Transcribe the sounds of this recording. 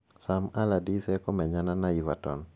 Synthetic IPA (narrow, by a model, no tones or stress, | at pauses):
samaladisɛkɔmɛɲananaiva̰tɔ̰n